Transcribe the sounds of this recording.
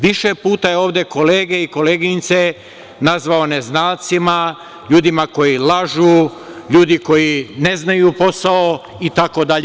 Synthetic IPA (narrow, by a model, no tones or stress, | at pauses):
ʋiʃepuːt̪ajeoːʋd̪e̞ko̞le̞ːɡe̞iko̞leːɡiɲt̪se | nazʋaoneznaːlt̪sima | ʎuːd̪imako̞jilaʒuːʎuːd̪iko̞jine̞znajupo̞sao | it̪ako̞d̪aʎ